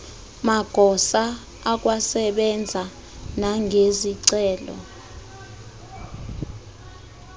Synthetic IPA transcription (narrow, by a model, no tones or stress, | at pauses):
maɡ̥ʱɔsaː | k̬ʼwasɛɓɛnd͡zʱa | naŋʱeziǀɛːlɔ̰